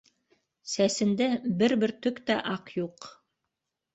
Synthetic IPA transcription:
sæsɘ̆nd̪æbɘɾbɘɾt̪ɵkt̪æʔɑqjuq

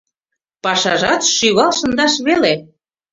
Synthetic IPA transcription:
pɑʃɑʒɑt̪ʃyβɑlʃɤ̆nd̪ɑʃβele

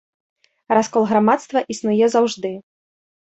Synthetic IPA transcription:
raskɔlˠɣɾamat̪st̪vɐʔisnujɛzawʐd̪ɨ

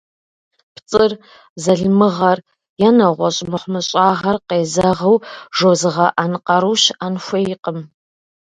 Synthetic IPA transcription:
pt͡sʼɨr | zɐɮmɨʁɐr | jɛnɐʁʷɔɕʼmɨχʷmɨɕʼɑːʁɐrqeːzɐʁɐwʒozɨʁɐʔanqɐɾuʃanxʷejɪqəm

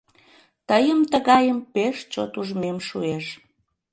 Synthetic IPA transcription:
t̪əjəmt̪əɣɑjəmpeʃt͡ɕo̰t̪uʒmemʃueʃ

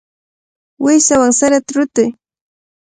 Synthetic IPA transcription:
wɪsawaŋsaɾat̪aɾʊt̪ɪj

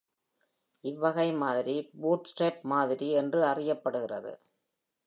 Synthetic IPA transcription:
ɪʋːɐɣɐɪmaːðɪɾibuːʈsʈreːp̚maːðɪɾiɛndrɯɐrɪjɐpːɐɽɯɣɪrɐ̰ðɯ̰

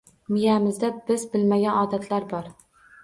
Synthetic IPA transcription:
mɪjamɪzd̪abɪzbɪlmaɡʲanɒd̪at̪ʰlaɾbɒɾ

